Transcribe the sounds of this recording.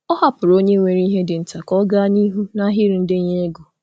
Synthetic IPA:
ɔ˦ɦa˦pʊ˨ɾo˦ɲe˦ŋʷe˨ɾi˦ɦe˦dɪ˨n̩˨ta˨kɔ˦ɡa˦ni˦ɦu˦na˦ɦi˦ɾi˨n̩˦dɪ˦ɲe˦e˦ɡo˨

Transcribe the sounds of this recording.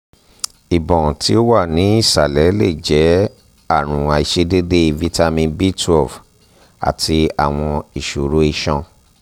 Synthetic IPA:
i˨bɔ̃˨tʰi˦o˦wa˦˨nĩ˨˦i˦˨sa˨lɛ˨˦le˦˨d͡ʒɛ˨˦ | a˦˨ɾ̃ũ˨a˨i˨ʃe˧de˦de˦i˧vi˦ta˧mĩ˧bi˦tu˦ɔ˦˨f | a̰˨tʰi˧a˨w̃ɔ̃˧i˨ʃo˨ɾo˨˦i˧ʃɔ̃˧

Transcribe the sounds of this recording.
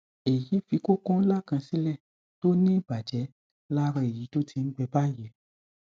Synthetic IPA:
e˨ji˨˦fi˧ko˦kɔ̃˦n̩˦la˦˨kã˧sĩ˦lɛ˦˨ | to˦nĩ˦i˦˨ba˨d͡ʒɛ˨˦ | la˦ɾɔ̃˧˨e˨ji˨˦to˦tʰi˧n̩˦ɡ͡bɛ˧ba˦˨je˨

